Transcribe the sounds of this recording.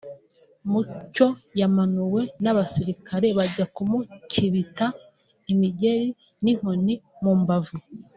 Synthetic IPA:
muco̞jamanuwe̞naβasiɾikaɾe̞βaɟakumuciβita | imiɟe̞ɾi | nim̥honimuːmbavu

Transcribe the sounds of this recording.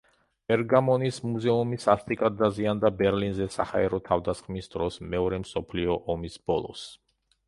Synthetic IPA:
b̥ɛɾɡamɔnismuzɛumisast̪ʼikʼad̪aziand̪abɛɾlinzɛsa̰ha̰ɛɾɔt̪ʰavd̪asχmisd̪ɾɔsmɛɔɾɛmsɔpʰliɔʔɔmisb̥ɔlˠɔ̰s

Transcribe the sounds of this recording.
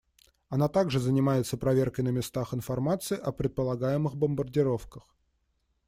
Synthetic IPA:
ɐnat̪aɡʐɨzənʲɪmajɪt̪səpɾɐvʲerkəjnəmʲɪst̪axɪnfɐrmat̪sɨɪʔɐpɾʲɪt̪̚pəlˠɐɡajɪmɨxbəmbərdʲɪɾo̞fkəx

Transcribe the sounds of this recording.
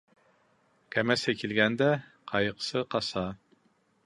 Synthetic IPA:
kʲʰɛmɛsɛkʲʰilɡʲɛnd̪ɛqʰɑjəqʰsɨqʰɑsɑ

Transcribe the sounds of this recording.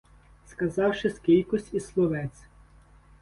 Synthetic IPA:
skɐzɑwʃɪskʲilʲkʊsʲtʲislˠɔʋɛt̪sʲ

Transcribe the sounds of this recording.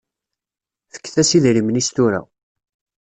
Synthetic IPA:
fə̥kːθæsiðɾimnist̪uɾæ̰

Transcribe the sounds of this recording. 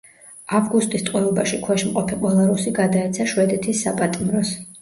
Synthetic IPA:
avɡust̪ʼist̪ʼqʼwɛɔbaʃikʰwɛʃmqʼɔpʰiqʼwɛlˠaɾusiɡad̪aɛt̪sʰaʃwɛd̪ɛt̪ʰisːapʼat̪ʼimɾɔs

